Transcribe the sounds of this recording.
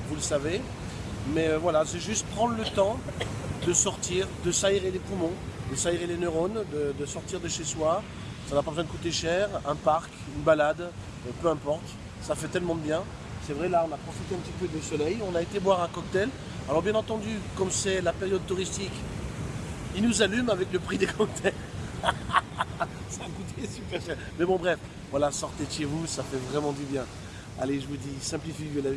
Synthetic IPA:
vuləsave | mɛøvwalasɛʒyst̪̚pχɑ̃d̪ʁlət̪ɑ̃d̪əsɔʁt̪iʁd̪əsaeʁelepumɔ̃d̪əsaeʁelenəʁond̪əd̪əsɔʁt̪iʁd̪əʃeswa | sanapabəzwɛ̃d̪əkut̪eʃɛʁɛ̃paʁk | ynbalad̪ | pøɛ̃pɔʁt̪ | safɛt̪ɛlmɑ̃d̪əbjɛ̃ | sɛvʁɛlaɔ̃napχɔfit̪eɛ̃pət̪ipød̪əsɔlɛjɔ̃naet̪ebwaʁɛ̃kɔk̚t̪ɛl | alɔʁbjɛ̃nɑ̃t̪ɑ̃d̪ykɔmsɛlapeʁjɔd̪̚t̪uʁist̪ik | ilnuzalymavɛkləpχid̪ekʰɔk̚t̪ʰɛl | sakut̪ʰesypɛʁʃɛʁmɛbɔ̃bʁɛf | vwalasɔʁt̪et̪jevusafɛvʁɛmɑ̃d̪ybjɛ̃ | a̰leʒəvud̪isɛ̃plifivelavi

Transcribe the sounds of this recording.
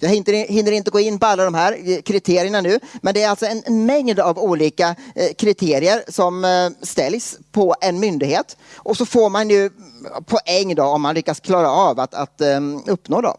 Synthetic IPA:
jɑːɦɪnt̪əɾɦɪnːəɾɪnt̪əɡoːɪnːpɔalːad̪ɔmɦæːɾkʰɾɪt̪ʰeːɾɪjəɳanʉ̟ːmɛnd̪ɛæɾalt̪sɔɛnɛnmɛŋd̪avuːliːkakʰɾɪt̪ʰeːɾɪəɾsɔmst̪ɛljspʰɔɛnmʏnd̪ɪɡheːt̪ʔɔsɔfoːɾmanjɵpʰɔʔɛŋːd̪ɔɔmːanlʏkːaskʰlɑːɾaɑːvat̪a̰t̪ɵpːnoːd̪ɔ̰m

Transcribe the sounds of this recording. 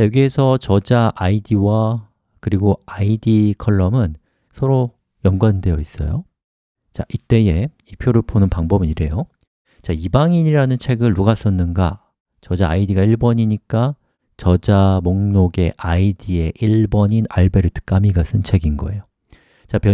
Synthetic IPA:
t͡ɕajoɡiesʰʌt͡ɕʌd͡ʑaʔaidiwa | kɯɾiɡoaidikʰʌɭːʌmɯn | sʰʌɾo | jʌŋɡwande̞jʌis͈ʌ̰jo̰ | t͡ɕa̰ʔit͈e̞e̞ | ipʰjoɾɯɭponɯnpaŋbʌbɯniɾe̞jo | t͡ɕaibaŋiɲiɾanɯnt͡ɕʰe̞ɡɯɭːuɡas͈ʌnːɯnɡa | t͡ɕʌd͡ʑaːidiɡaiɭbʌɲiɲik͈a | t͡ɕʌd͡ʑamoŋnoɡe̞ʔaidie̞ʔiɭbʌɲina̰ɭbe̞ɾɯtʰɯ̥k͈amiɡasʰɯnt͡ɕʰeɡinɡʌe̞̰jo | t͡ɕapjʌ

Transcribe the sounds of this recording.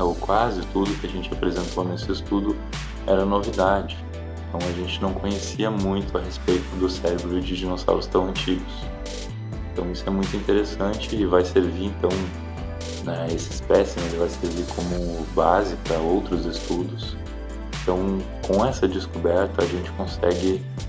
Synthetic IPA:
ɛʊkwazɪt̪ud̪ʊkɪɐʒẽnt͡ʃɪapɾezẽnt̪onesɪːst̪ud̪ʊ | ɛɾɐnovid̪ad͡ʒɪ̃ | ẽt̪ɐ̃w̃ɐʒẽnt͡ʃɪnɐ̃w̃kõɲesiɐmũj̃t̪ʊɐɦespejt̪ʊd̪ʊsɛɾebɾʊd͡ʒɪʒinosa̰wɾʊst̪ɐ̃w̃ɐ̃nt͡ʃiɡʊs | ẽnt̪ɐ̃w̃isʊɛmũj̃t̪ʊĩt̪eɾesɐ̃nt͡ʃɪːvajseɾviɾẽnt̪ɐ̃w̃ | nɛesɪɪspɛsielɪvajseɾviɾkʰõmʊbazɪpɾɐowt̪ɾʊzɪst̪ud̪ʊs | ẽnt̪ɐ̃w̃ | kõɛsɐd͡ʒɪskobɛɾt̪ɐːʒẽnt͡ʃɪ̥kõsɛɡɪ

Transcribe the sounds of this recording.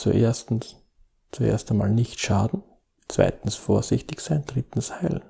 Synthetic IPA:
t͡sṵʔḛːɐstn̩s | t͡suʔḛɐstama̰ːlnɪçtʃaːdn̩ | t͡sv̥a̰ɪtn̩sfoːɐzɪçtɪçsaɪnd̥ʁɪtn̩shaɪln̩

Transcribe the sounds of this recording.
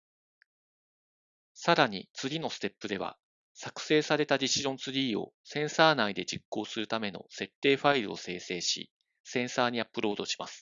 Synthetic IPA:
saɾaɲ̟it͡sɨɡʲino̞sɨ̥t̪e̞pːɯ̟d̪e̞β̞a̰ | sakɯ̟̥se̞ːsaɾe̞t̪adʲiɕiʑõ̞nt͡sɨɾʲiːo̞̰sẽ̞ɰ̃saːnaid̪e̞d͡ʑikːo̞ːsɨɾɯ̟t̪ame̞no̞̰se̞t̪ːe̞ːɸaiɾɯ̟o̞se̞ːse̞ːɕḭ | sẽ̞ɰ̃saːɲ̟iapːɯ̟ɾo̞ːd̪o̞ɕi̥masɨ̥

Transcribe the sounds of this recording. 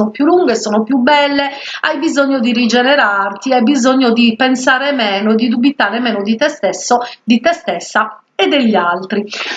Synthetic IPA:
nopjulːuŋɡeɛsːɔːnopjubɛlːe | a̰jbizoɲːod̪irid͡ʒɛnɛɾart̪iajbizoɲːod̪ipɛnsaːɾɛmɛːnoed̪ːid̪ubit̪aːɾɛmɛːnod̪it̪ɛst̪ɛsːod̪it̪ɛst̪ɛsːa | ɛd̪ːeʎːialt̪ɾi

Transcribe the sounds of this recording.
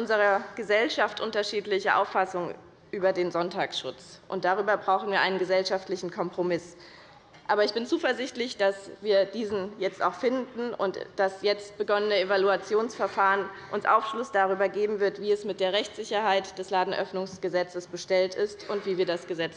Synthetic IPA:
ʔʊnzəʁɐɡ̥əzɛlʃaftʔʊntɐʃiːtlɪçəʔa̰ʊfasʊŋ | ʔyːbɐdeːnzɔntʰaːksʃʊ̰t͡sʔʊ̰nt̚d̥aʁ̞yːbɐbʁaʊxn̩viːɐʔa̰ɪnənɡəzɛlʃaftlɪçn̩kʰɔmpʁ̥omɪs | ʔaːbɐɪçb̥ɪnt͡suːfɛɐzɪçtlɪçd̥asviːɐd̥iːzn̩jɛt͡sta̰ʊxfɪndn̩ʊ̰ntd̥asjɛt͡st̚b̥əɡɔnənəevaluat͡sjoːnsfɛɐfaːʁənʔʊnsʔa̰ʊfʃlʊsd̥aʁ̞yːbɐɡeːbm̩vɪɐtv̥iːɛsmɪt̚d̥eːɐʁɛçt͡sz̥ɪçɐɦaɪtd̥ɛslaːdn̩ʔœ̰fnʊŋsɡ̥əzɛt͡səsb̥əʃtɛltɪstʔʊntv̥iːviːɐdasɡ̥əzɛt͡s

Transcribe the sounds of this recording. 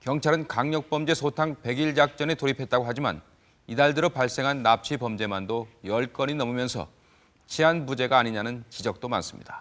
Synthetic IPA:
kjʌŋt͡ɕʰaɾɯnkaŋɲʌk̚p͈ʌmd͡ʑe̞sʰotʰaŋpe̞ɡiɭd͡ʑak̚t͡ɕ͈ʌnetoɾipʰet̚t͈aɡoɦad͡ʑima̰n | idaɭdɯɾopaɭs͈e̞ŋɦanːap̚t͡ɕʰipʌmd͡ʑe̞mandojʌɭk͈ʌɲinʌmumjʌnsʰʌ̰ | t͡ɕʰianbud͡ʑe̞ɡaːɲiɲanɯnt͡ɕid͡ʑʌk̚t͈oma̰ns͈ɯ̥mɲḭdḁ

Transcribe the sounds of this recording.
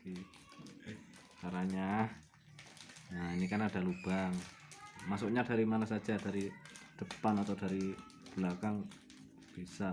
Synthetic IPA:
i | kaɾaɲah | ainikanad̥a̤lub̥aŋ | masʊkɲadaɾimanasḁd͡ʒadaɾid̥əpanat̪awdaɾi | b̥lakaŋ | b̥isa

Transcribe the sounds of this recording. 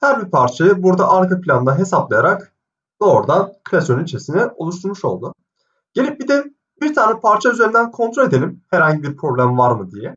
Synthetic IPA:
hæɾbipʰaɾt͡ʃʰajɯbuɾd̪aʔaɾkapʰlʲand̪aɦe̞saplˠajaɾak | d̪̥o̞ːɾd̪ankʰɯlʲasonynt͡ʃʰesinɛo̞̰lˠuʃt̪ʰuɾmuʃo̞̰lˠd̪u | ɟ̥e̞lʲip̚bid̪ɛ | biɾt̪ʰaːnɛpʰaɾt͡ʃʰayzeɾind̪ænkʰo̞nt̪ʰɾolʲe̞d̪e̞lʲimhæɾhaɲɟibiɾpʰɾo̞blʲæmvaɾmɯd̪ijɛ

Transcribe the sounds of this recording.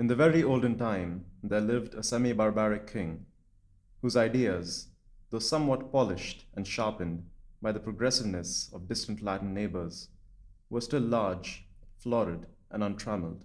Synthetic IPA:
ɨ̃nðəvɛɹioʊlˠd̃n̩tãɪ̃mðə˞lɪvdəsɛmibɑɹbæɹɪkʰːɪ̃ŋ | huzaɪdiəz | ðoʊsʌ̃mwɔt̚pɑlɪʃtə̃nʃɑɹpɨ̃nbaɪðəpʰɹəɡɹɛsɨvnɨsʌvdɪstə̃ntlætn̩ːeɪbə˞z̥ | wə˞stɪlːɑɹd͡ʒflɔɾəd | ʔə̃nʌ̃ntʰɹ̥æml̩ˠd̥

